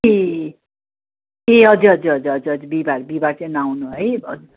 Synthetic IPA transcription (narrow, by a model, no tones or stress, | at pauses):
e | eʌd͡zuɦʌd͡zuɦʌd͡zuʌd͡zuɦʌd͡zubibaɾbibat͡sẽnawnuɦʌjʌ̰d͡z